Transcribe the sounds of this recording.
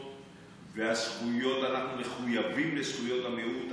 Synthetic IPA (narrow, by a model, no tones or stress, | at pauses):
veasχujo̞t̪anaχnume̞χujavimlesχujo̞tameut̪